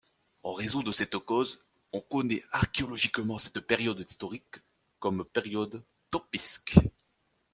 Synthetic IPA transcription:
ɑ̃ʁezɔ̃d̪əsɛt̪kɔz | ɔ̃kɔnɛaʁkeɔlɔʒikmɑ̃sɛt̪peʁjɔd̪ist̪ɔʁikː | ɔmpeʁjɔd̪ | t̪ɔpisk

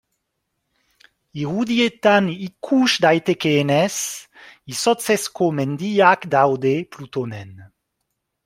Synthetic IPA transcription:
iʁud̪iet̪anikʰuʃd̪ajt̪ekeːnes | isɔt͡sɛskomend̪iːakd̪awd̪eplut̪onɛn

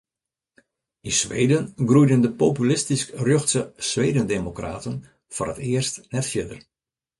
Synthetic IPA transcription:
insʋḛːdənɡrujdəndəpopylɪstiskrjøxtsəsʋeːdəndemokra̰ːtən | fɔ̰rətɪərstnɛtfjɪdər

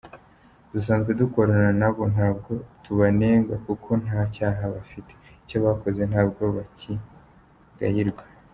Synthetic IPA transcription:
d̥us̬aːnzɡwe̞duko̞ɾananaβo̞n̥aːb̚ɡo̞tuβaneːŋɡakukʰo̞n̥haːcaːɦaβafiteico̞βako̞zen̥haːb̚ɡo̞βaci | ɡa̰hiɾɡwa

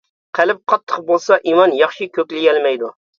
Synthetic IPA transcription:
qʰælɪp̚qʰɑt̪ʰːəqbolˠsɑʔimɑnjɑχʃikʲʰøkʲlɪjʲɛlmɛjd̪u

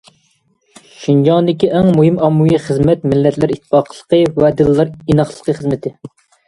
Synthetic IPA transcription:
ʃinjɑnd̪ɪkʲiʔɛŋmuɦɪmɑmːujiχəzmɛt̪mɪlːɛt̪lɪɾit̪ʰːɪ̥fɑqʰəlˠə̥qʰəwɛd̪ɨlːɑɾinɑχlˠəqʰəχəzmɪt̪ʰɪ

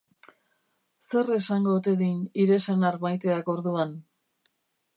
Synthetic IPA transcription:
se̞re̞saŋɡo̞t̪e̞ðiniɾe̞sanaɾmajt̪e̞ako̞ɾðuan

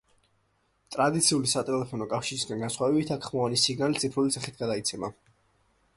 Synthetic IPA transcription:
t̪ʼɾad̪it̪sʰiulisat̪ʼɛlɛpʰɔnɔkʼafʃiɾisɡanɡansχwavɛbit̪ʰakʰχmɔvanisiɡnalit̪sʼipʰɾulit̪sʰaχit̪ʰɡad̪ait̪sʰɛma

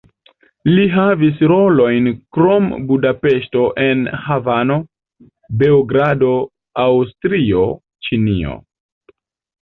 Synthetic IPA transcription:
liɦavis̬ɾo̞lo̞jnkɾo̞mbudape̞ʃto̞ʔe̞nhavano̞ | be̞oɡɾado̞ | awstɾio̞ | t͡ʃinio̞̰

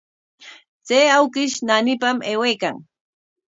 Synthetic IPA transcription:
t͡seːawkɪʃnanɪpameːwejkaŋ

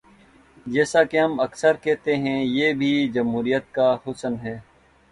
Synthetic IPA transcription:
d͡ʒɛːsakeɦɐmɐksəɾkɛːɦt̪eɦɛ̃jeːbʱid͡ʒɐmɦuːɾijət̪̚kahʊsənɦɛː

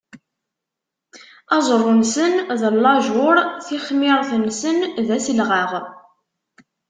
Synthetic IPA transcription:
ɑzˤrˤːʊnsənðəlːɑʒʊɾˤθiχmɪʁθənsənðæsəlʁaʁ

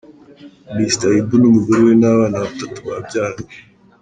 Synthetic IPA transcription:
mistaibunumuɡuɾiwenaːβaːnaβatatu̥βab̚ɟaːɾae

